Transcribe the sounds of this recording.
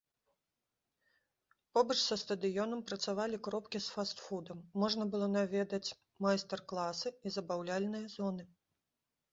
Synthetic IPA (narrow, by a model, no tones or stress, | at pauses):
pɔbɐt͡ʂsɐst̪ɐd̪ɨjɔnɐmpɾɐt̪savalʲikɾɔpkʲisfast̪fud̪ɐmːɔʐnɐbɨlˠɔnavʲɛd̪ɐt͡sʲ | majst̪ɛrklˠasɨizɐbawlʲalʲnɨjɐzɔnɨ